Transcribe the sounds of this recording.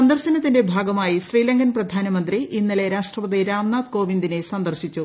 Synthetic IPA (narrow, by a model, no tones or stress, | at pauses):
ɐnd̪ɐrɕɐnɐt̪ːinde̞bʱaːɡɐmaːjiɕriːlɐŋɡɐnprɐd̪ʱaːnɐmɐnd̪riinːile̞ɾaːʂʈrɐpɐd̪iɾaːmnaːd̪̚ko̞ːʋind̪ine̞sɐnd̪ɐrɕit͡ɕːu